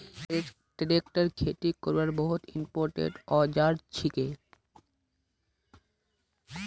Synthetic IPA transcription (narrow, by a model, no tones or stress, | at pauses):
e | ɖiɾekʈaɾkʰeʈikoɾbaɾbɔɦut̪ḭmpoɾʈḛɖɔd͡ʑaɾt͡ɕʰike